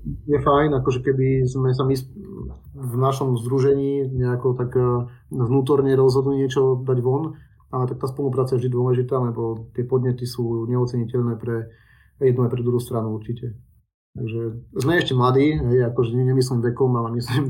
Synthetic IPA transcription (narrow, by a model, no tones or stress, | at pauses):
jɛfajnakɔʒɛkɛb̪izmɛs̬amis | vnaʃɔmzd̪ɾuʒɛɲiːɲɛakɔt̪ak | vnuːt̪ɔɾɲɛɾɔzɦɔd̪liɲɪɛt͡ʃɔd̪aɟʋɔn | alɛt̪ak̚t̪aːspɔlupɾaːt͡sajɛʒd̪id̪ʊɔlɛʒit̪aːlɛbɔt̪ɪɛpɔd̪ɲɛt̪isuːɲɛɔt͡sɛɲicɛʎnɛːpɾɛ | jɛd̪nuajpɾɛd̪ɾuɦuːst̪ɾanuuɾt͡ʃicɛ | t̪aɡʒɛzmɛɛʃcɛmlad̪iːɦɛjakɔʒɛɛɲɛmislimʋɛkɔmalɛmisim